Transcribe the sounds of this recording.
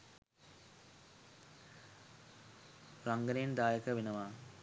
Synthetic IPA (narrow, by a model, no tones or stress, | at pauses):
ɾaŋɡɐnend̪aːjɐkɐʋinɐʋaː